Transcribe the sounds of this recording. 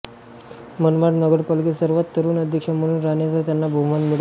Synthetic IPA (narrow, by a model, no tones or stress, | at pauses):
mənmaʈnəɡəɽpəlkisəɾʋat̪ːəɾuːnəd̪ʱjəkʂəməɽ̃uːnɾaɳjat͡sət̪janːabʱumanmuɽ